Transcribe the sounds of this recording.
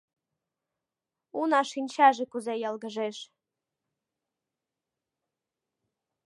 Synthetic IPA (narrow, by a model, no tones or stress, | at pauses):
unɑʃinʲt͡ɕɑʒɘ̆kuzejɑlˠɡəʒeʃ